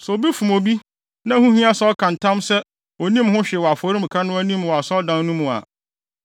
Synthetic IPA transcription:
sɛ˨o˨bi˦fũ˨mo˨bi˦ | nã˦hũ˦hĩ˦a˦sɔ˦kʰã˨n̩˨tʰã˦msɛ˦ | o˨nĩ˦mɦʊ̃˦ɕᶣɛ˨wɔ˨a˨fɔ˨ɾi˦m̩˨kʰa˦nʊ̃˦æ˦nĩ˦mwɔ˨a˨sɔ˦dã˨n˦nũ˦mũ˨a̰˨

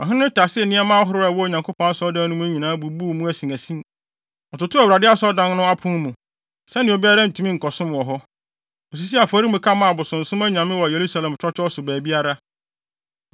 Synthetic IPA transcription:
ɔ˨ɦɪ̃˦nʊ̃˦tʰa˨sɪ˦ɛ˨nɪ̃˦a˦mãː˦ɦʊ˨˦ɾʊ˦a˨wɔ˦˨ɲã˨ŋkʰo˦pʰɔ̃˦n˦sɔ˦dã˦nʊ̃˦æ˦ɲĩ˨nãː˦bu˨bu˦˨mũ˦æ˨sĩ˨æ˨sĩ˦ | ɔ˨tʊ˨tʊ˦a˨wɾa˨dɪ˦a˦sɔ˦dã˦nnʊ̃˦a˦pʰʊ̃˦mũ˨ | sɛ˦nɪ̃˨o˨bi˦a˦ɾa˦n̩˨tʰũ˨˦mĩ˦ŋ̩˨kʰɔ˨sʊ̃˦m˨ɔ˨ɦɔ˦ | ɔ˨s̬i˨˦s̬i˦a˨fɔ˨ɾi˦mũ˨kʰa˦mã˨bʊ˨sʊ̃˨n̩˨sʊ̃˦mæ˦ɲ˨ã˨mɪ̃˦wɔ˨je˨ɾu˦sa˨lɛ̃˨m˨t͡ʃʰɾɔ˦t͡ɕᶣɔ˦ɔ˦sʊ˨bæː˨bi˦a˦ɾa˦

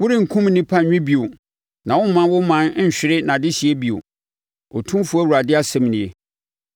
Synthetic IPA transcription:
wʊ˦ɾɪ˦ŋ̩˨kʰũ˦mnĩ˦pʰã˦˨ɲᶣɪ̃˦bi˨o˨ | nã˨wʊ˦m˦mːã˦wʊ˦mã˨˦n̩˦˨ɕᶣɪ˦ɾɪ˦nã˨dɪ˦ɕi˨e˦bi˨o̰˨ | ɔ̰˨tʰũ˦m˦fʊ˨˦æ˦wu˨ɾa˨dɪ˦a˦sɛ̃˦m˨nɪ̃˨e˨

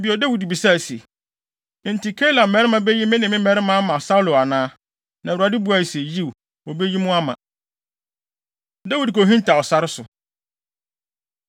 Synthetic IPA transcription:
bi˨˦ɔ˨da˦wi˨dbi˨sa˦˨sḛ̃˨ | n̩˨ti˨kʰɛ˦la˨mɛ˨˦ɾɪ˦mã˦be˦ji˦mɪ̃˦nɪ̃˨mɪ̃˦mɛ˦ɾɪ˦mã˦mã˨sa˦wlʊ˨a˨nãː˦ | nã˨u˨ɾa˨dɪ˦bu˨˦a˨i˨se˨ji˦w | ɔ˨be˦ji˦mʊ̃˦a˦mã̰˨ | da˦wi˨dko˨ɦĩ˦n˦tʰa˨ɔ˨sa˨ɾɪ˦sʊ˨

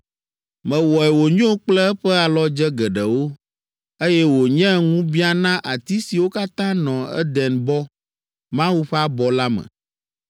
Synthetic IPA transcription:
mɛ̃˨wɔ˨ɛ˨wo˨ɲõ˦k͡plɛ˦ɛ˦ɸɛ˦a˨lɔ˦d͡ʒɛ˦ɡɛ˨ɖɛ˨wo˦ | e˦jɛ˦wo˨ɲɛ̃˦ŋũ˦bi˦a˨nã˦ʔa˨t̪i˦si˨wo˦ka˦t̪ã˦nɔ̃˨ɛ̰˦d̪ɛ˨nbɔ˦ | mã˦wu˦ɸɛ˦a˦bɔ˨la˦mɛ̰̃˨

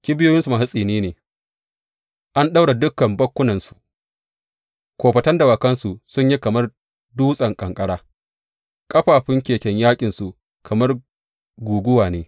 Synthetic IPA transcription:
kʲɪ˦bɪ˦jo˦jɪ˦nsu˨ma˨ɦa˦sʼiː˨niː˦neː˨ | ʔa˦nɗa˦wɽa˨dʊ˦kːɐ˨mbɐ˦kʷːʊ˦nɐ˨nsu̥˨ʔ | kʷoː˨ɸɐ˨tɐ˦nda˨wa˨kɐ˦nsu˨sʊ˦ɲji˦kɐ˨mɐ˦r | duː˦sʼɐ˨ŋkʼɐ˨ŋkʼɐ˦ɽaː˦ | kʼɐ˦ɸaː˨ɸɪ˦ŋkʲeː˨kʲɛ˦ɲjaː˦kʲʼɪ˨nsu˨ | kʰɐ˨mɐ˦r | ɡʷuː˨ɡʷʊ˦waː˨neː˦

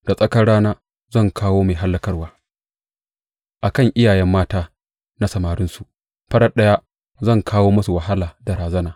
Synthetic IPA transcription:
d̥a˨sʼɐ˦kɐ˦ɽaː˦naː˦ | zɐ˦˨ŋkʰaː˦woː˦maː˨ɦa˦lːɐ˦kɐ˦rwaː˦ | ʔa˨kɐ˦˨ŋʔɪ˦jaː˨jɛ˦mːaː˦taː˦ | na˦sɐ˨maː˨ɾɪ˦nsu˨ʔ | ɸɐ˦ɽɐ˦ɗɐ˦ja˦ | zɐ˦˨ŋkʰaː˦woː˦mɐ˦su˨wɐ˨ɦa˦laː˨dɐ˨ɾaː˨zɐ˦naː˨

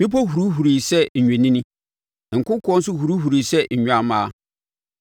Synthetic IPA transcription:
mɪ̃˦p̬ɔ˦hu˨ɾu˦ɦu˨ɾi˨sɛ˦ɲ̩˨ɲᶣɛ̃˨nĩ˦nĩ˦ | ŋ̩˨kʊ̃˦kʰɔ̃˦n̩˦s̬ʊ˦hu˨ɾu˦ɦu˨ɾi˨sɛ˦ɲ̩˨ɲᶣ˨a˦˨mãː˦

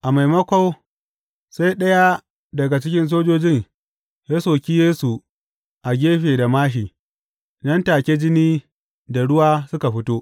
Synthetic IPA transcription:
ʔa˨ma˨jmɐ˦kʷa˦w | sa˦jɗɐ˦ja˦ | dɐ˨ɡa˨t͡ʃɪ˦kʲɪ˦ns̬oː˦d͡ʒoː˦d͡ʒɪ˦ŋ | ja˦soː˨kʲiː˦jeː˦su˨ | ʔa˨ɡʲeː˦ɸeː˨da˨maː˦ʃiː˨ | nɐ˦ntaː˨kʲe˦d͡ʒɪ˦niː˦ | da˨ɽʊ˦waː˦sʊ˦ka˨ɸɪ˦toː˦ʔ

